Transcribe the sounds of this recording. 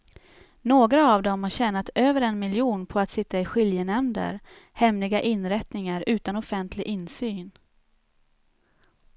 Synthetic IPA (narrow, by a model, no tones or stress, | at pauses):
noːɡɾaːvd̪ɔmhaɕɛːnat̪øːvəɾɛnmɪljuːnpʰɔat̪sɪt̪ːaɪɧɪljənɛmd̪ə̰ɾ | hɛmlɪɡaʔɪnɾɛt̪nɪŋaɾʉ̟ːt̪anɔfɛnt̪ʰlɪɡʔɪnsyːn